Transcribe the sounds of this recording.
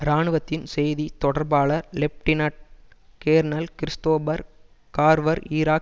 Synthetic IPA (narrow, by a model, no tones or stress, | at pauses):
ɾaːɳɯʋɐt̪ːɪnsɛjðit̪ɔɽɐɾbaːɭɐɾlɛp̚ʈɪnaʈ̚keːɾnɐlkɪɾɪst̪oːbɐɾ | kaːɾʋɐɾiːɾaːk